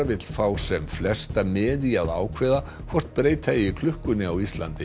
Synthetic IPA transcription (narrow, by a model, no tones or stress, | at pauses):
vɪt̪l̥faːwsɛmflɛst̪amɛːðiaða̰ːwkʰvɛːða | kʰvɔr̥t̪̚pɾeːjt̪ʰaɪkʰlʏhkʏnːɪawist̪la̰nt̪ɪ